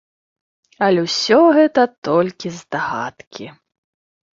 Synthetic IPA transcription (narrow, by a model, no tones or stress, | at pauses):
ɐlʲwsʲɔɣɛt̪ɐt̪ɔlʲkʲizd̪aɣa̰t̪kʲi